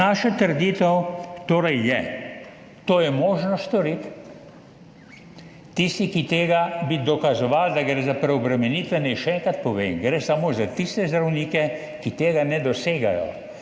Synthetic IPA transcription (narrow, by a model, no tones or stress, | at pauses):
aːʃat̪əɾd̪iːt̪ɛwt̪oːɾɛjːɛ | t̪oːjɛmoːʒnɔst̪ɔɾit̪ | ist̪ikit̪eːɡabid̪ɔkazɔʋald̪aɡɾɛzapɾɛɔbɾɛmɛniːt̪ʋɛnɛjʃɛɛŋkat̪̚pɔʋeːmɡɾesamoːzat̪ist̪ɛzd̪ɾawniːkɛ | kit̪eːɡanɛd̪ɔseːɡa̰jɔ̰